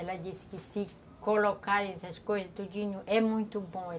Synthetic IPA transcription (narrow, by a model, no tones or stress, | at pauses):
ɛlɐd͡ʒisɪ̥kɪsɪ | kolokaɾẽɛsɐskojzɐst̪od͡ʒĩɲʊʔɛmũj̃t̪ʊbõɛ